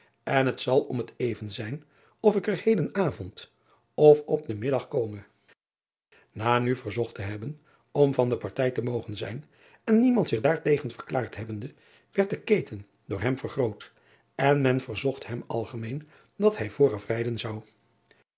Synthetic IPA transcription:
ɛnɦətsɑlˠɔmətejvənzɛjn | ɔfɪkəɹhejdənaːvɔnt | ɔfɔp̚dəmɪdɑχkowmə | naːnyvəɹzɔχtəɦɛbən | ɔmvɑndəpɑɹtɛjtəmowχənzɛ̰jn | ɛnːimɑntsɪχdaːɹtejχənvəɹklaːɹtɦɛbəndə | ʋɛɹt̚dəkejtən | dʊːɹɦɛmvəɹχrowt | ɛnmɛnvəɹzɔχthɛmɑ̰lˠχəmejn | dɑthɛjvʊːrɑfrɛjdənzɑw

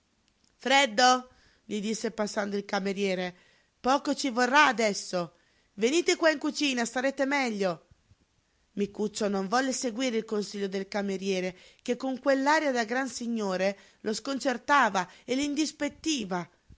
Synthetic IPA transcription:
fɾɛd̪ːo | ʎid̪isːepasːand̪oilkameɾjɛːɾe | pɔːkot͡ʃivorːaːd̪ɛsːo | veniːt̪ekwaiŋkut͡ʃiːnast̪aɾet̪emɛʎːo | mikut͡ʃːonoɱvɔlːeseɡwiːɾeilkonsiʎːod̪elkameɾjɛːɾekekːoŋkwelːaːɾjad̪aɡɾansiɲːoːɾe | lʔoskont͡ʃert̪aːvaelind̪ispet̪ːiːva

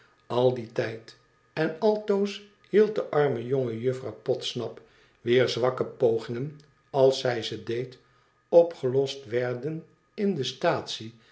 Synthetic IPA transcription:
ɑlˠditɛjt | ɛnɑlˠtows | hilˠt̚dəʔɑɹməjoŋəjɵfrɑwpɔtsnɑp | ʋɪːɹzʋɑkəpowχɪŋən | ɑlˠsɛjzədejt | ɔpχəlɔstʋɛɹdən | ɪndəstaːtsi

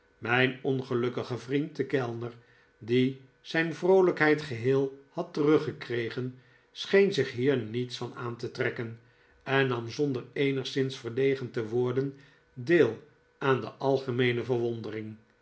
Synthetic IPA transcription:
mɛjnɔnχəlɵkəχəvrintəkɛlˠnəɹ | di | z̥ɛjnvrowləkɦɛjtχəɦɪːlˠhɑtərɵχəkrejχən | sχejnzɪχɦiːɹnitsfɑna̰ːntətrɛkən | ɛnːɑmzɔndəɹejnəχsɪnsfəɹlejχəntəʋʊːɹdən | deːlˠ | aːndə̰ʔɑlˠχəmejnəvəɹʋɔndərɪŋ

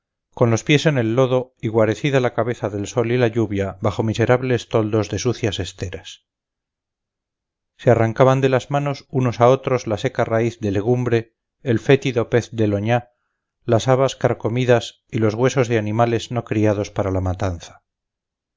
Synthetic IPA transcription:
ko̞nlo̞spje̞se̞ne̞lːo̞ðo̞iɣwaɾe̞θiðalakaβe̞θaðe̞lso̞lilaʎuβjaβaχo̞mise̞ɾaβle̞st̪old̪o̞zðe̞suθjase̞st̪e̞ɾas | searaŋkaβand̪e̞lazmano̞suno̞sao̞t̪ɾo̞zlase̞karaiθd̪e̞le̞ɣ̞umbɾe̞ː | lfe̞t̪iðo̞pe̞θd̪e̞lo̞ɲa | lasaβaskaɾko̞miðas | ilozɣwe̞so̞zðeanimale̞zno̞kɾiaðo̞spaɾalamat̪anθḁ

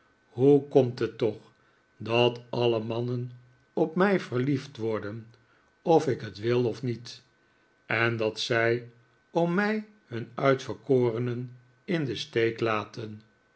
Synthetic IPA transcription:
ɦukɔmtɦətɔχ | dɑtɑləmɑnən | ɔpmɛjvəɹliftʋɔɹdən | ɔfɪkɦətʋɪlˠɔfnit | ɛndɑtsɛj | ɔmmɛj | hɵnœɥtfəɹkoːrənən | ɪndəstejklaːtʰən

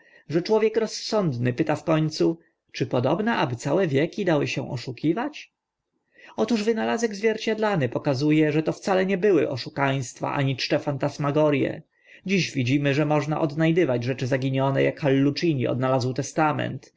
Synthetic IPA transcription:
ʐɛt͡ʂwɔvʲjɛkɾɔsːɔnd̪nɘpɘt̪afkɔɲt̪su | t͡ʂɘpɔd̪ɔbnɛʔabɘt̪sawɛvʲjɛkʲid̪awɘɕɛ̰̃ʔɔʂukʲʰivat͡ɕ | ɔt̪uʐvɘnalazɛɡzvʲjɛɾt͡ɕad̪lanɘpɔkazujɛʐɛt̪ɔft̪salɛɲɛbɘwɘ̰ʔɔʂukaj̃st̪fa̰ʔa̰ɲit͡ʂʈɛfant̪asmaɡɔɾjɛ̰ | d͡ʑiɕvʲid͡ʑimɘʐɛmɔʐna̰ʔɔd̪najd̪ɘvad͡ʑʐɛt͡ʂɘzaɡʲiɲɔnɛ̰jakxalːut͡ʂiɲḭɔ̰d̪nalazwt̪ɛst̪amɛ̰nt̪

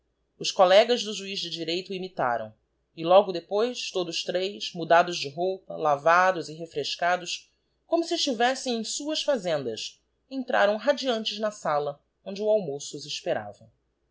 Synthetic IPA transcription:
ʊʃkolɛɡɐzd̪ʊʒuizd͡ʒɪd͡ʒiɾejt̪ʊimit̪a̰ɾɐ̰̃w̃ | ɪlɔɡʊd̪epojst̪od̪ʊʃt̪ɾejzmud̪ad̪ʊzd͡ʒɪɦowpɐ̰lavad̪ʊzɪɦefɾeʃkad̪ʊs | kõmʊsiɪʃt͡ʃivɛsẽj̃ẽj̃suɐsfazẽnd̪ɐs | ẽnt̪ɾa̰ɾɐ̃w̃ɦad͡ʒiɐ̃nt͡ʃɪznɐsalɐ | õñd͡ʒɪuawmosʊziʃpeɾa̰vɐ

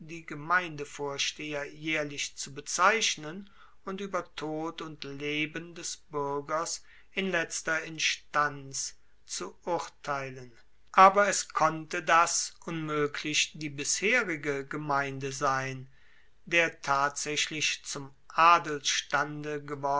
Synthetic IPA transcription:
d̥iːɡəmaɪndəfoːɐʃteːɐjɛːɐlɪçt͡subət͡saɪɕnən | ʊntʔyːbɐtʰoːtʊntleːbəndɛsb̥ʏɐɡɐs | ʔɪnlɛt͡stɐɪnʃtant͡s | t͡suʔʊɐtʰaɪlən | ʔaːbɐɛskʰɔntədasʔʊnmøːkʰlɪçd̥iːbɪsheːʁɪɡəɡəmaɪndəzaɪn | deːɐtʰaːtz̥ɛɕlɪçt͡sʊm | ʔaːdəl̩sʃtandəɡəvɔ

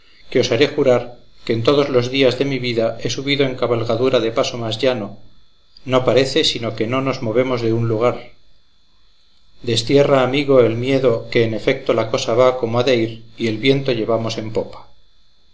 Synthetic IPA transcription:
keo̞saɾe̞xuɾaɾke̞ːnt̪o̞ðo̞zlo̞zðiazðe̞miβiðae̞suβiðo̞e̞ŋkaβalɣaðuɾaðe̞paso̞mazʝano̞ | no̞paɾe̞θe̞sino̞ke̞no̞no̞zmo̞βe̞mo̞zðe̞unluɣ̞aɾ | d̪e̞st̪je̞raːmiɣo̞e̞lmje̞ðo̞ke̞ːne̞fe̞k̚t̪o̞lako̞saβako̞moaðeiɾie̞lβje̞nt̪o̞ʎe̞βamo̞se̞mpo̞pḁ

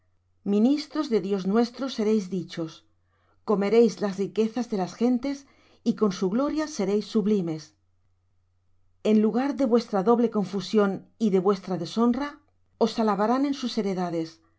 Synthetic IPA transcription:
mĩnist̪ɾo̞zðe̞ðjo̞znwe̞st̪ɾo̞se̞ɾe̞jzðit͡ʃo̞s | ko̞me̞ɾe̞jzlasrike̞θazðe̞lasxe̞nt̪e̞s | iko̞nsuɣlo̞ɾjase̞ɾe̞jsːuβlime̞s | e̞nluɣ̞aɾðe̞βwe̞st̪ɾaðo̞β̞le̞ko̞ɱfusjo̞niðe̞βwe̞st̪ɾaðe̞so̞nra | o̞salaβaɾanẽ̞nsuse̞ɾe̞ðaðe̞s

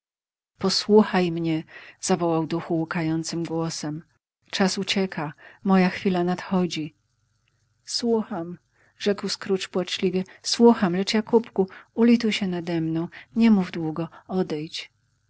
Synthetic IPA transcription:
pɔswuxajmɲɛz̥avɔwawd̪uxuukajɔnt̪sɘmɡwɔsɛm | t͡ʂasut͡ɕɛkʰamɔjaxfʲilanat̪xɔd͡ʑi | swuxam | ʐɛkwskɾut͡ʂpwat͡ʂlʲivʲɛswuxamlɛt͡ʂjakupkuulʲit̪uwɕɛnad̪ɛmnɔ̃w̃ɲɛmuvd̪wuɡɔɔd̪ɛjt͡ɕ

